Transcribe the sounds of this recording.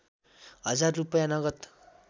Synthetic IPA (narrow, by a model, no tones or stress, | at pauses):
ɦʌd͡zarːupʌjanʌɡʌt̪